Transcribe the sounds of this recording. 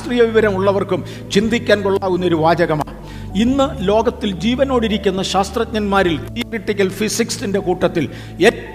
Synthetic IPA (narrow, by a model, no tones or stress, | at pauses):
t̪riːjɐʋiʋɐɾɐmuɭːɐʋɐrkum | t͡ɕind̪ikʲːaːnkoɭːaːɣunːɐo̞ɾuʋaːd͡ʑɐɣɐma̰ː | inːɨlo̞ːɡɐt̪ːild͡ʑiːʋɐno̞ːɽiɾikʲːunːɐɕaːst̪rɐt̪̚ɲɐnmaːɾilt̪ʰijoriʈːikʲːɐlfisiksinde̞kuːʈːɐt̪ːil | e̞tː